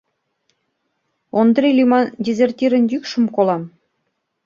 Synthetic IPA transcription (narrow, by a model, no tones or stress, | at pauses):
ond̪rilʲimɑdʲezʲerʲtʲiɾɘ̆nʲjykʃumkolˠɑm